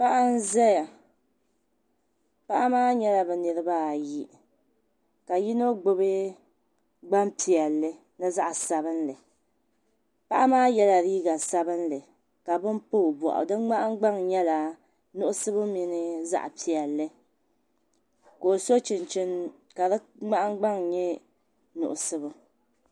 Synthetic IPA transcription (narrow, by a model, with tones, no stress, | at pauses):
pa˦ʔa˦n̩˦zɛ˦ja˨ | pa˦ʔa˦maː˦ɲɛ˦la˨bɛ˨nɨ˨ɾɨ˦ba˦˨ji˦ | ka˨ji˦no˦ɡ͡bo˦bɨ˦ | ɡ͡ba˦mpi˨ɛ˨lːɨ˦ | nɨ˦za˦ʔa˨sa˨bɨ˦nlɨ˨ | pa˦ʔa˦maː˦jɛ˦la˨ɾiː˦ɡa˨sa˦bɨ˦nlɨ˨ | ka˨bɨ˦mpo˦˨bɔ̰˨ʔʊ̰˨dɨ˦nŋ͡ma˦ʔa˦ŋ˦ɡ͡ba˦ŋɲɛ˦la˨ | nʊ˦ʔʊ˦sɨ˦bɨ˦mi˨nɨ˦za̰˦ʔpi˨ɛ˨lːɨ˦ | ko˨so˦t͡ʃɪ˨nt͡ʃɪ˦n | ka˨ɾɨ˦ŋ͡ma˦ʔa˦ŋɡ͡ba˦ŋɲɛ˦ | nʊ̰˨ʔʊ˨sɨ˦bɨ˦